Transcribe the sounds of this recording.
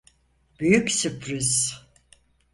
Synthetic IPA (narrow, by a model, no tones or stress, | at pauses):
b̥yjyksypɾiz